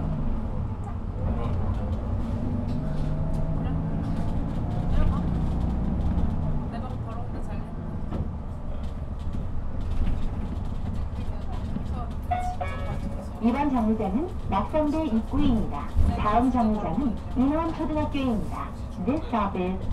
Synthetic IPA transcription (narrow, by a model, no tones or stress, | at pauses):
ibant͡ɕaŋɲud͡ʑanɯn | nak̚s͈ʌŋdeik͈uiimɲidataɯmt͡ɕaŋɲud͡ʑanɯnjuŋwant͡ɕʰoduɡak͈eimɲida | des͈abɯ